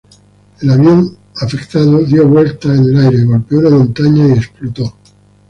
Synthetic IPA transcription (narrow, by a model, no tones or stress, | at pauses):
e̞laβjo̞n | afe̞kt̪aðoðjo̞βwe̞lt̪aene̞lajɾe̞ɣolpeo̞lamõ̞nt̪aɲaie̞splot̪o̞